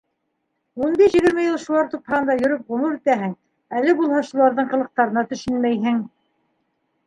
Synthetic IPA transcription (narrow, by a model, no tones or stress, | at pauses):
unbiʃjɘ̆ɡɘ̆ɾmɘjɤlˠʃulˠɑɾt̪uphɑɤ̆nd̪ɑjɵ̆ɾɵp̚ʁɵ̆muɾit̪æɦɘŋ | ælɘbulˠhɑʃulˠɑɾðɤɴqɤ̆lˠɤ̆q̚t̪ɑɾɤ̆nɑt̪ɵ̆ʃɵnmæjɦɘŋ